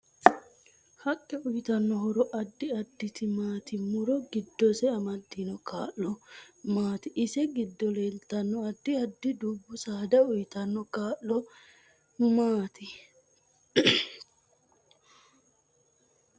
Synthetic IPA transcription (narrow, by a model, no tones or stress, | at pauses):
hɐkʼːɛʊjt̪ɐnːɔɦɔɾɔʔɐd̪ːɪɐd̪ːɪt̪ɪmaːt̪ɪmʊɾɔɡɪd̪ːɔsɛɐmɐd̪ːinɔkʰa̰ːʔːɔmaːt̪ɪʔɪsɛɡɪd̪ːɔleːlt̪ːɐnːɔɐd̪ːɪɐd̪ːɪd̪uːbːʊsaːd̪ɐʊjɪt̪ɐnːɔkaːʔːɔ | maːt̪ɪ